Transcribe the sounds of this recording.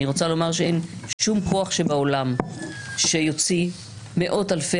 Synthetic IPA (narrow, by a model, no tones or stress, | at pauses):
iʁo̞t͡salo̞maʁʃeenʃumkʰo̞aχʃebao̞lamʃe̞jo̞t͡si | me̞ʔo̞talfe